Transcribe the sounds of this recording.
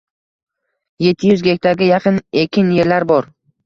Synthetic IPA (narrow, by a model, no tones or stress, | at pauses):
je̞t̪ʰːɪjʊzɡʲe̞k̚ʲt̪ʰaɾɡʲɪjɑqʰɨnekʲʰːɪnje̞ɾlaɾbɒɾ